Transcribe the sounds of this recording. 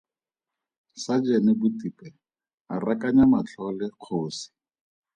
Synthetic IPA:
sad͡ʒɛnɪbʊtipɛ | arakaɲamat͡ɬʰɔlɪq͡χʰoːsi̥

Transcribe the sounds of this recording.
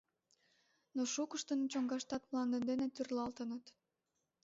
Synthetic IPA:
noʃukəʃt̪ənt͡ɕoŋɡɑʃt̪ɑt̪mlɑnd̪ənd̪enet̪yrlɑlt̪ənət̪

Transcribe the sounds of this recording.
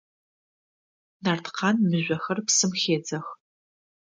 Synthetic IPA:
nartqʰɑːnmɨʑʷɐxɐrpsɨmxeːd͡zɐx

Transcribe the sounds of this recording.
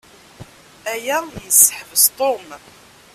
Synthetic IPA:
æjæjəsːə̥ħəvəzt̪ˤom

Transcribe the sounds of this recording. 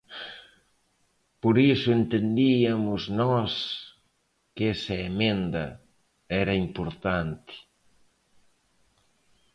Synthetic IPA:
poɾisʊent̪end̪iɐmʊznɔs | kɛsɐemẽnd̪ɐ̰ | ɛɾɐimpoɾt̪ant̪ɪ̥

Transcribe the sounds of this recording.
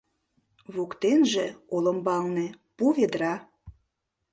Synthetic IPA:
βukt̪enʒĕolə̆mbɑlnĕ | puβed̪ɾɑ

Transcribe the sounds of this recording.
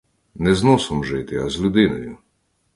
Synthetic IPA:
nɛznɔsɔmʒɪt̪ɪɐzlʲʊd̪ɪnɔjʊ

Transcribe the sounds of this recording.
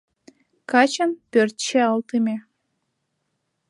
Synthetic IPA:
kɑt͡ɕənpørt̪t͡ɕeɤ̆lˠt̪ɨmʲe

